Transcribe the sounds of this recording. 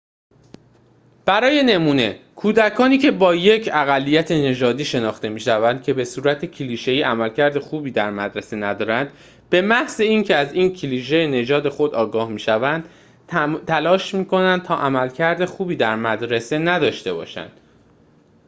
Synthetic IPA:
b̥æɾɒːje̞ne̞muːne̞̰kʰuːd̪ækʰɒːniːcʰe̞bɒːje̞cʰæɣælːiːjæt̪ʰe̞ne̞d͡ʒɒːd̪iːʃe̞nɒːxt̪e̞miːʃævænd̪̚cʰe̞be̞suːɾæt̪ʰecʰeliːʃe̞jiːʔæmælcʰæɾd̪e̞xuːbiːd̪æɾmæd̪ɾese̞næd̪ɒːɾænd̪ | be̞mæhze̞iːncʰe̞æziːncʰeliːʃ̬e̞jene̞d͡ʒɒːd̪e̞xo̞d̪ɒːɡɒːhmiːʃævænd̪̥ | t̪ʰælɒːʃmiːkʰo̞nænd̪̚t̪ʰɒːʔæmælcʰæɾd̪e̞xuːbiːd̪æɾmæd̪ɾe̞se̞næd̪ɒːʃt̪e̞bɒ̰ːʃæ̰nd̪̥

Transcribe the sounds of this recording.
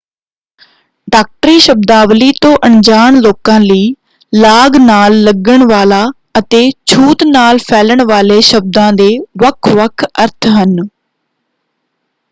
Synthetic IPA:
ɖaːk̚ʈɾiːʃəb̚d̪aːʋliːt̪õːʔəɳd͡ʒaːɳloːkãːləiː | laːɡnaːlːəɡəɳʋaːlaː | ət̪eːt͡ʃʰuːt̪naːlpʰɛːləɳʋaːleːʃəb̚d̪ãːd̪eːʋəkʰʋəkʰəɾt̪ʰɦən

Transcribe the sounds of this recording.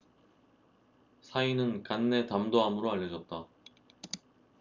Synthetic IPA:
sʰainɯnkanːe̞tamdoɦamɯɾoaʎjːʌd͡ʑʌt̚t͈a

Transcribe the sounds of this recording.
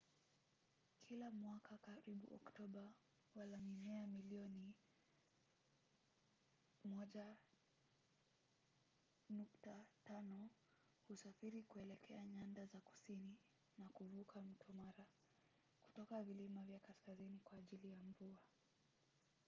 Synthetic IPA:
kʰilamwakʰakaɾiɓṵɔ̰ktɔɓa | walaminɛamiliɔni | mɔʄa | nuktatanɔ | husafiɾikuɛlɛkʰɛaɲandazaku̥sini | nakuvukʰam̩tʰɔmaɾa | ku̥tɔkavilimavjakaskazinikwaːʄilijaɱvua

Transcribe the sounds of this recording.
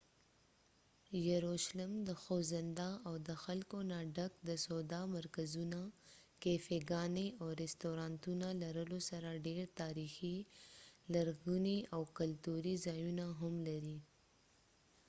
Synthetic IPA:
jaɾoʃlɪmd̪əxozɪnd̪aawd̪əxalkonaɖakd̪əsod̪ɑmaɾkazunakefeɡɑneawɾɛst̪oɾɑnt̪unalaɾəlosaɾaɖeɾt̪ɑɾixi | laɾɣuniawkalt̪uɾizɑjunaɦamlaɾi

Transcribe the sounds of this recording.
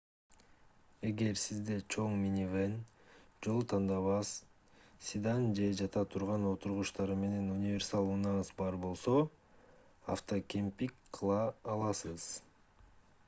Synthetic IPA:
e̞ɡe̞ɾsizd̪e̞t͡ʃʰo̞ŋmʲinʲivend͡ʒo̞lˠt̪ʰɑnd̪ɑβɑs | sʲid̪ɑnd͡ʒe̞d͡ʒɑt̪ʰɑt̪ʰuɾʁɑno̞t̪uɾʁuʃt̪ɑɾɯme̞ne̞nunʲivʲe̞ɾsalˠunɑnsbɑɾbo̞lˠso̞ | aft̪okʲempikqʰɯlˠɑːlˠɑsɯz̥

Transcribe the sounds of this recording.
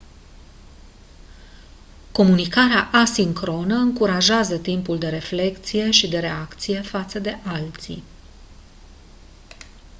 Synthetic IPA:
ko̞munikaɾeaʔasiŋkɾo̞nəɨŋkuɾaʒeazət̪impuld̪e̞ɾe̞fle̞kt̪sije̞ʃid̪e̞ɾe̞akt̪sije̞fat̪səd̪e̞ʔalt̪sḭ

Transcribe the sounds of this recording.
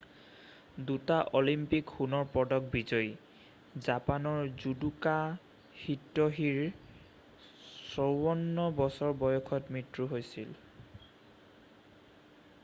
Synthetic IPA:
dutaʔolimpikxunɔɹpɔdɔk̚bizɔj | zapanɔɹzuduka | hitːɔɦiɹ | sɔwɔnːɔbɔsɔɹbɔjɔkʰɔtmɹitɹuɦojsil

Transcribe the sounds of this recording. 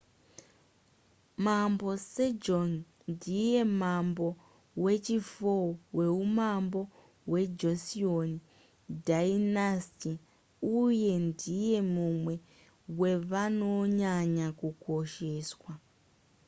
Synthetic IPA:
mambo̞sed͡ʒon | ndije̞mambo̞ | we̞t͡ʃifowe̞umambo̞ | we̞d͡ʒosioni | dainasti | uje̞ndije̞mumwe̞ | we̞ʋano̞ɲaɲakuko̞ʃeːswa

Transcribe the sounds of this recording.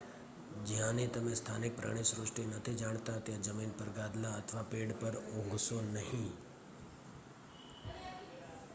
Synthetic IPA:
d͡ʒɪɦãnẽt̪ɐmẽst̪ʰaːnɪk̚pɾa̰ːɽ̃ẽsɾʊʂʈinɐt̪ʰid͡ʒaːɽ̃t̪at̪jad͡ʒəmiːnpəɾɡaːd̪laət̪ʰʋapeːɽpəɾõːɡʱsonɐɦĩː

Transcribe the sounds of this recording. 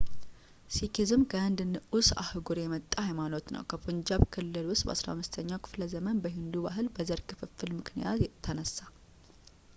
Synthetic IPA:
sikʰizɨmɡʰəɨnd̪ɨnɨusa̰hɨɡuɾjɛmət̪ʼːahajmanot̪nə̰wkʰəfoɲd͡ʒaβkʰɨlːɨlwʊst̪ʼbə̰asɾa̰amːɨst̪ʰəɲːawkʰɨ̥fləzəmənbəɦind̪ubaɦɨlbəzəɾkʰɨfɨfːɨlmɨknijatt̪ʰːənəsːa

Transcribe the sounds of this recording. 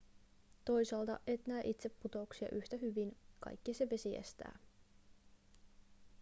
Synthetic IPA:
t̪o̞jsɑːlt̪ɑ̰ʔet̪næːʔit̪se̞pːut̪o̞uksiɑ̰ʔyht̪æɦyʋinkɑ̰jkːiseʋe̞siḛst̪æ̰ː

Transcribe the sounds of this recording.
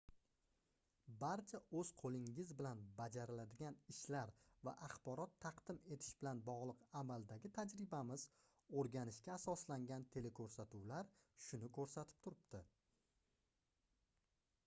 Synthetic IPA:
baɾt͡ʃʰaɵzqʰolˠɪŋɪzbɪlanbad͡ʒaɾɪlad̪ɪɡʲanɪʃlaɾva̰ʔaχbɒɾɒt̪ʰːɑqd̪ɪme̞t̪ʰɪ̥ʃbɪlanbɒʁlˠɨqamalˠd̪aɡʲɪt̪ʰad͡ʒɾɪbamɪz̥ | oɾɡʲanɪʃkʲaːsɒslaŋɡʲant̪ʰe̞lekʰɵɾsat̪uwlaɾʃʊnɪkʰɵɾsat̪ʰɪ̥p̚t̪ʰʊɾɪbt̪ɪ

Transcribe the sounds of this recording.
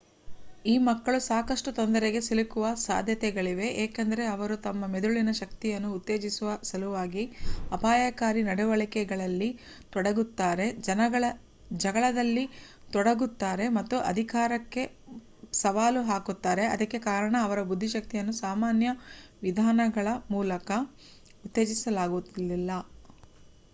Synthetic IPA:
iːmɐkːɐɭusaːkɐʂʈut̪ond̪ɐɾeɡe̞silikuʋɐsa̰ːd̪ʱjɐt̪ɛɡɐɭiʋe̞ʔeːkend̪ɐɾe̞ɐʋɐɾut̪ɐmːɐmed̪uɭinɐʃɐkt̪ijɐnːuːt̪ːe̞ːd͡ʒisuʋɐsɐluʋaːɡiɐpaːjakaːɾinɐɽuʋɐɭikɛɡɐɭɐlːi | t̪ɔɽɐɡut̪ːaːɾe̞d͡ʒɐnɐɡɐɭɐ | d͡ʒɐɡɐɭɐd̪ɐlːi | t̪ɔɽɐɡut̪ːaːɾe̞mɐt̪ːuʔɐ̰d̪ʱikaːɾɐkːe̞ | sɐʋaːluɦaːkut̪ːaːɾe̞ɐd̪ɐkːe̞kaːɾɐɳɐːʋɐɾɐbud̪ʱːiʃɐk̚t̪ijɐnːusaːmaːnjɐʋid̪ʱaːnɐɡɐɭɐmuːlɐkɐ | ut̪ːe̞ːd͡ʒisɐlaːɡulːilːɐ

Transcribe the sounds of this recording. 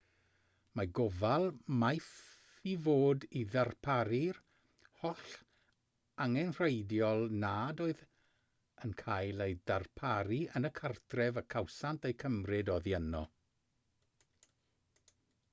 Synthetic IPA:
maɡɔvalˠmajθ | ivoːdiðarpʰaɾir | hɔɬ | aŋɛnr̥ejdjɔlˠnaːdoːɨð | ənkʰajlˠejdarpʰaɾiənəkʰartʰrɛvəkʰawsantejkʰəmrɪdɔðjɛnɔ̰

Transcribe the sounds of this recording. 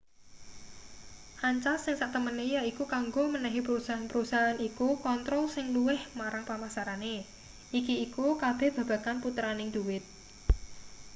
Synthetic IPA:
haɲt͡ʃasːɪŋsaʔt̪əmənejaikukaŋɡomənɛɦipəɾusaɦanpəɾusaɦanikukɔnt̪ɾɔlsɪŋluwɪhmaɾaŋpamasaɾane | ʔikiːkukab̥ɛ̤hb̥ä̤b̥ä̤kanput̪ɾanɪŋd̪̥uwɪt̪̚

